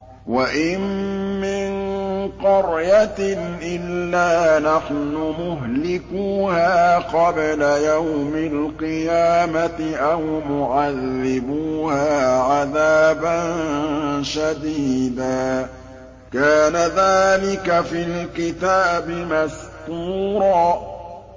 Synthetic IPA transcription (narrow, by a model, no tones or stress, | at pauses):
waʔɪmːɪnqɑɾjat̪ɪnʔɪlːaːnaħnʊmʊɦlɪkuːhaːqɑblajawmɪlqɨjaːmat̪ɪʔawmʊʕaðːɪbuːhaːʕaðaːbannʃad̪iːd̪aː | kaːnaðaːlɪkafilkɪt̪aːbɪmast̪uːɾˤɑː